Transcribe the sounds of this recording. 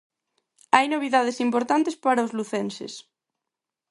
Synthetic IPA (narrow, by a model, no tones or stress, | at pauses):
ajnoβ̞iðaðesimpoɾt̪ant̪espaɾaozluθensḛs